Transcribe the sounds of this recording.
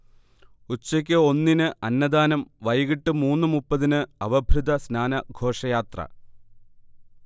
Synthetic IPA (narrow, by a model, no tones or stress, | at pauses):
ut͡ɕːɐk̬ʲːɨo̞nːinɨʔɐnːɐd̪aːnɐmʋɐjɣiʈːɨmuːnːɨmupːɐðinɨɐʋɐbʱrud̪ʱɐsnaːnɐɡʱo̞ːʂɐjaːt̪rɐ̰